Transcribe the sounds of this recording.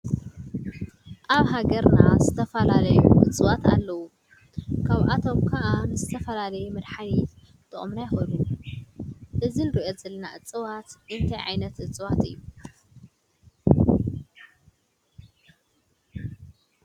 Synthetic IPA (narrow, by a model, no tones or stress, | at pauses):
ʔaβɦaɡɐɾnazɨt̪ʰɐfɐlalɐjṵʔɨ̰t͡sʼɨwat̪a̰lːɐwu | kʰaβʔat̪ʰo̞mkʰɐʔanɨzɨt̪ʰɐfɐlalɐjumɨd̪ħani | t̪ʰɨχʼɨmnajxolu | ʔɨzinɨɾiʔoz̥ɐlɐnaʔɨt͡sʼːɨwat̪ʔɨnt̪ʰajʕa̰jnɐt̪ʔɨt͡sʼɨwat̪ɨjːu